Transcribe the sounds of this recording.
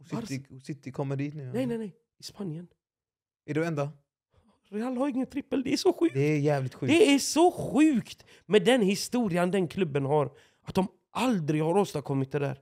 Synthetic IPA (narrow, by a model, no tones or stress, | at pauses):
sɾsɪt̪ːɪkʰɔmːəd̪iːt̪nʉːnɛjnɛjnɛj | ɪspanjən | æɖɛmɛnd̪a | ɾɛalːhaɾɪŋːənt̪ʰɾɪpːəld̪ɛæʂɔɧʉːd̪ɛːjæːvlɪt̪ɧʉːd̪ɛæʂɔɧʉ̟ːkt̪ | mɛd̪ɛnhɪst̪uːɾɪand̪ɛnkʰlɵbːənhaɾ | ʔat̪̚d̪ɔm | ʔald̪ɾɪɡhaɾoːst̪aɾkʰɔmːɪt̪̚d̪ɛd̪æ̰ːɾ